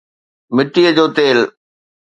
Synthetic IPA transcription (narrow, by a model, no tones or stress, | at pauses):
mɪʈːiəd͡ʑoːt̪eːl